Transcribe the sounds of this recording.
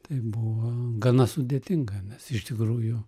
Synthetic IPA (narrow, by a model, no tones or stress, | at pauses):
t̪ɐɪbuʋɐɡɐnɐsʊd̪ʲeːt̪ʲɪŋɡɐnʲɛsɪʃt̪ʲɪkɾuːjʊ